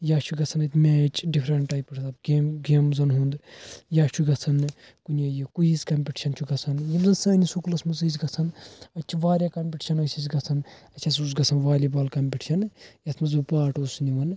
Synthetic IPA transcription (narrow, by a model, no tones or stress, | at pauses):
jaːt͡ʃʰuɡɐt͡sʰɐnɐt̪ʰʲmeːt͡ʃʰɖipʰɾɐɳʈʈaːjpɐʈ̪ʰɐbɡeːmɡemzɐnɦund̪jaːt͡ʃʰuɡɐt͡sʰɐnɨ | kunʲjajikujiskɐmʲpʲiʈi̥ʃɐnt͡ʃʰuɡɐt͡sʰɐnjɐmzɐnsɐːnisukulɐsmɐzɨzɡɐt͡sʰɐnɐt͡ʃʲʰiʋaːɾʲakɐmʲpʲiʈi̥ʃʰɐnɐsʲʰizɡɐt͡sʰɐnɐt͡ʃʲʰɐs̬us̬ɡɐt͡sʰɐnʋaːlʲibaːlkɐmʲpʲiʈiʃʰɐnɨjɐt̪ʰmɐzbɨpaːʈusniʋɐn